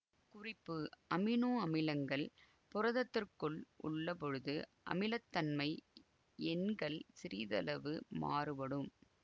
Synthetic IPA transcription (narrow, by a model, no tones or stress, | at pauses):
kʊrɪpːɯɐmɪnoːɐmɪlɐŋɡɐɭ | pʊrɐðɐt̪ːɪrkɯɭʔʊ̰ɭːɐpɔɻɯðɯʔɐ̰mɪlɐt̪ːɐnmɐɪ | ɛnɡɐɭsɪɾiðɐ̰lɐʋɯma̰ːrɯpɐɽɯm